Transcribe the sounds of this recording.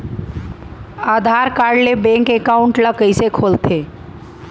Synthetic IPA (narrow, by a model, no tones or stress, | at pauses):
aːd̪ʱaːɾkaːɽlebɛ̃ːŋkekaːʊ̃ɳʈləkəisekʰoːlt̪ʰeː